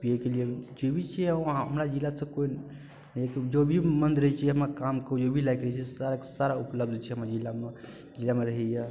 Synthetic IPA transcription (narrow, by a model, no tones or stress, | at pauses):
piekelied͡ʒobʱit͡ʃʰɛaɦɦəmɾad͡ʒilasə̃koin | nəekd͡ʒobʱimənd̪ɾəɦɛt͡ʃʰiɦəmakamkəud͡ʒobʱilajkɾəit͡ʃʰisaɾakesaɾaupləb̚d̪ʱt͡ʃʰɛɦəmɾad͡ʒilame | d͡ʒilameɾəɦɛje